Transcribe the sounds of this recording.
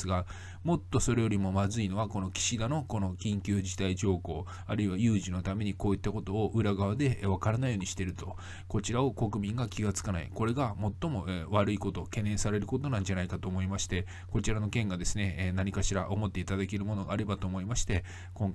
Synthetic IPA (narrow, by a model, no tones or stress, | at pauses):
sɨɡa | mo̞t̪ːo̞so̞ɾe̞jo̞ɾʲimo̞mazɨino̞βako̞no̞kʲi̥ɕid̪ano̞ko̞no̞kʲĩŋkʲɨːʑit̪aiʑo̞ːko̞ː | aɾɯ̟iβajɯːʑino̞t̪ame̞ɲ̟iko̞ːit̪ːako̞t̪o̞ːʔɯ̟ɾaɡaβ̞ad̪e̞βakaɾanaijo̞ːɲ̟iɕi̥t̪e̞ɾɯ̟t̪o̞ | ko̞t͡ɕiɾao̞ko̞kɯ̟bʲĩŋɡakʲiɡat͡sɨ̥kana̰ḭko̞ɾe̞ɡamo̞t̪ːo̞mo̞βaɾɯiko̞t̪o̞ke̞nẽ̞ɰ̃saɾe̞ɾɯ̟ko̞t̪o̞nãɲ̟d͡ʑanaikat̪o̞ːmo̞imaɕi̥t̪e̞ | ko̞t͡ɕiɾano̞kẽ̞ŋɡad̪e̞sɨne̞naɲ̟ikaɕiɾaʔo̞mo̞t̪ːe̞it̪ad̪ake̞ɾɯ̟mo̞no̞ɡaːɾe̞bat̪o̞ːmo̞imaɕi̥t̪e̞ | kõ̞ŋk